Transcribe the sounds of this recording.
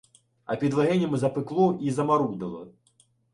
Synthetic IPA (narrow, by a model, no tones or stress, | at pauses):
ɐ̰pʲid̪vaɣɛnʲɛmɨzɐpɨklˠɔizɐmaɾud̪ɐlˠɐ̰